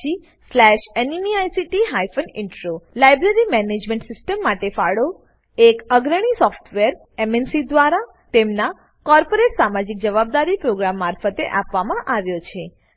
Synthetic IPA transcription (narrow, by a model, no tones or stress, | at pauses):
i | slɛʃeniniajsiʈiɦajfənɪɳʈɾolajbɾəɾimɛned͡ʒmɛ̃ɳʈsɪsʈəmːaʈefaɽo | ekəɡɾəɽ̃isɔfʈʰʋeɾ | emɛnsid̪ʋaɾa | t̪emna | kɔɾpoɾeʈsamad͡ʒik̚d͡ʒəʋab̚d̪aɾipɾoɡɾamːaɾfət̪eʔapʋamãʔaʋjot͡ʃʰe